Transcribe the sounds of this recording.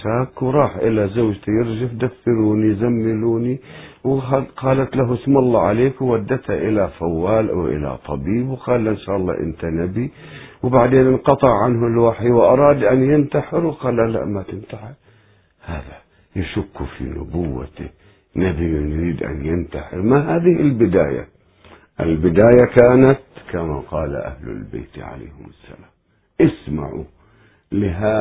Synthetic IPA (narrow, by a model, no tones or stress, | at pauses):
ʃaːkwɾˤɑːħʔɪlazawʒt̪ajɪɾd͡ʒafd̪afːɪɾuːnizamːɪluːniwaqɑːlat̪laɦʊsmɑlˤːɑːʕaleːkwwad̪ːat̪haʔɪlafawːaːlʔa̰wʔɪ̰la̰t̪ˤɑbiːbwɪqɑːlːaʔɪnʃaːʔɑlˤːɑ̰ːʔɪ̰nt̪anabi | wbaʕd̪eːnɪnqɑt̪ˤɪʕʕanɦʊlwaħiwʔɑɾˤɑːd̪ʔanjɪnt̪aħɪɾwɪqɑːlːala̰ʔmat̪ɪnt̪aħɪɾ | haːða | jaʃʊkːufḭnʊ̰bʊwːa̰t̪ɪ | nabinɾiːd̪ʔa̰njɪnt̪aħɪɾmaɦaːðɪhɪlbɪd̪aːja̰ | ʔɪ̰lbɪd̪aːjakaːnat̪kama̰qɑːla̰ʔa̰hlʊ̰lbḛːt̪ʕa̰la̰ːhʊmʊsːa̰laːm | ʔɪsma̰ʕṵ | lɪɦa